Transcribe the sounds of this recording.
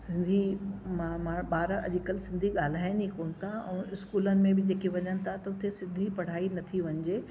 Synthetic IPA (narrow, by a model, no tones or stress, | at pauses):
sɪ̃nd̪ʱimãmaɓaːɾɐ̰ʄɪkəlsɪ̃nd̪ʱiɠaːl̤aːɪnikoːnɪ̆t̪ʰaɛ̰̃ːɪskuːlənɪ̆mẽbɪd͡ʑeːkiʋɐɲənɪ̆t̪ʰaet̪ɐʊt̪ʰesɪ̃nd̪ʱipɐɽ̤aːinɐt̪ʰiʋɐɲd͡ʑeː